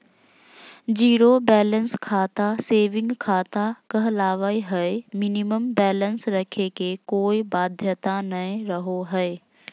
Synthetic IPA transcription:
d͡ʒiːɾobɛːlənskʰaːt̪aseːʋɪ̃ŋɡkʰaːt̪akəɦlaːʋəiɦɛemɪniməmbɛːlənsɾəkʰekekoːibaːd̪ʱjət̪anəĩɾəɦoɦɛe

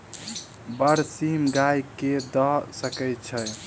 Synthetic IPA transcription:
bəɾsimɡajked̪əsəkəj̪̚t͡ʃʰəj

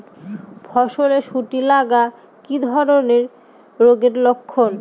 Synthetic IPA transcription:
bʰʱɔʃoleʃuʈilaɡa | kid̪ʱɔɾoneɾ | ɾoɡeɾlokʰːon

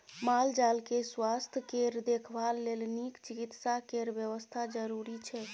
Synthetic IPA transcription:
mald͡ʒalkeswast̪ʰəkeɾd̪ekʰbalːelnikt͡ʃikit̪sakeɾbjəβəst̪ʰad͡ʒəɾuɾit͡ʃʰɛ

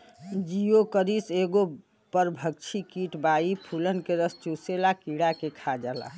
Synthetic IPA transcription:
d͡ʒiokəɾiseɡo | pəɾbʱək̚t͡ʃʰikiʈbaipʰulənkeɾəst͡ʃuselakiɽakekʰad͡ʒala̰

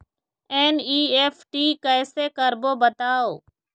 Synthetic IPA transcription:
eːniːeːfʈiːkəːseːkəɾboːbət̪aːoː

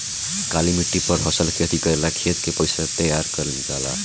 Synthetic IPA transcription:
kalimiʈːipʌɾɦʌsʌlkʰet̪ʰikʌelakʰet̪kepʌjsat̪ʌjarkʌɾd͡zala̰

